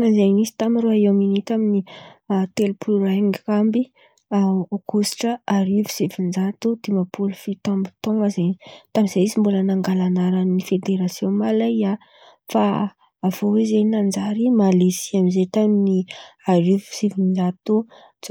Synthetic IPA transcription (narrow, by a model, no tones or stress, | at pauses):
azenizi̥t̪amiruaeminit̪aminit̪elupuluɾaŋkambi | okusi̥ʈ͡ʂəaɾivi̥sivind͡ʒat̪ud̪̥imapulufit̪ɔmbi̥t̪oŋɡəzenit̪amiz̥eizimbulənaŋɡalanaɾanifed̪eɾasjõmalaa | faː | v̥owizenand͡ʒaɾimalisiamizet̪aminiaɾivu̥sivind͡ʒat̪u